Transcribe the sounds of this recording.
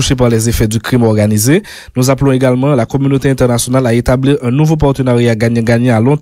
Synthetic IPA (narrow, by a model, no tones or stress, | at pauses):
uʃep̬aʁlɛzefɛd̪ykʁimɔʁɡanize | nuzaplɔ̃eɡalmɑ̃lakɔmynot̪eɛ̃t̪ɛʁnasjonalaet̪abliʁɛ̃nuvop̬aʁt̪ønaʁjaɡaɲɛ̃ɡaɲɛ̃alɔ̃